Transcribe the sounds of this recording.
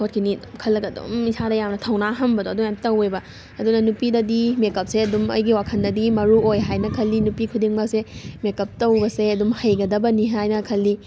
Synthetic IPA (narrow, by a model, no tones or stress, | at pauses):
kʰot̚kʰinikʰɐlːɐkɐdṵmisʰadɐjamnɐtʰɐwnaɦɐmbɐdoɐdumamtɐwebɐ | ɐdunɐnupidɐdimekɐp̚seɐdumɐ̰jɡiwakʰɐndɐdimɐɾuojɦajnɐkʰɐlːinupikʰudiŋmasemekɐp̚tɐwbɐseɐdumhɐjɡɐdɐbɐniɦajnɐkʰɐlːi